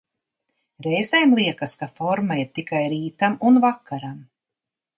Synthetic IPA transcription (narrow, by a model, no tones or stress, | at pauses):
ɾɛjzɛjmlˠiɛkaskafɔɾmaiɾt̪ikajɾiːt̪amunvakːaɾam